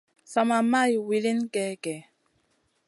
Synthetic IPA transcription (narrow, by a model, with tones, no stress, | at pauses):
sa˨ma˨ma˦˨jwi˨li˦nkɛ˦kɛ˨